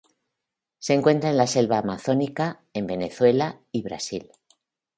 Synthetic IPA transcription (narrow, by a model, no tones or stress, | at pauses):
se̞ŋkwe̞nt̪ɾaenlase̞lβaːmaθo̞nika | e̞mbe̞ne̞θwe̞la | iβɾa̰sil